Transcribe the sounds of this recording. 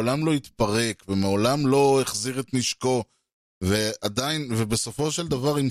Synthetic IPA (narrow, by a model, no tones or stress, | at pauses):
olamlo̞it̪paʁe̞kvemeolamlo̞eχziʁet̪niʃko̞ | vead̪ainve̞be̞so̞fo̞ʃe̞ld̪avaʁim